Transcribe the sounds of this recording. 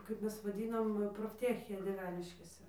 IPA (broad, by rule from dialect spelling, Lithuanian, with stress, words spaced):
kɐɪp ˈmʲɛs ʋɐˈdʲɪnɐm jɛʊ proːfʲˈtʲæːxʲeː dʲiɛˈʋʲæːnʲɪʃʲkʲeːsʲɛ